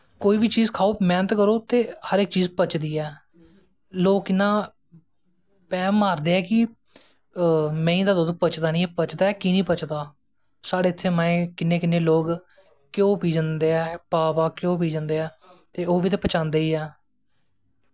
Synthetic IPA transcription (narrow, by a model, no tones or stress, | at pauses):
koːiːʋiːt͡ʃiːzkʰaːoːmɛːnət̪kəɾoːt̪eːhəɾek̚t͡ʃiːzpət͡ʃd̪iːɛː | loːkːɪnːãː | pɛːmaːɾd̪eːɛːkɪ | mɛ̃ːĩd̪aːd̪od̪opət͡ʃd̪aːnĩːɛpət͡ʃd̪aːɛːkiːnĩːpət͡ʃd̪aː | saːɽeːt̪ʰːeːmãẽːkɪnːẽːkɪnːeːloːɡ | kjõːpiːd͡ʒənd̪eːɛːpaːpaːkjõːp̬iːd͡ʒãːnd̪eːɛː | t̪eːoːʋiːt̪̬eːpət͡ʃãːnd̪eːiːɛː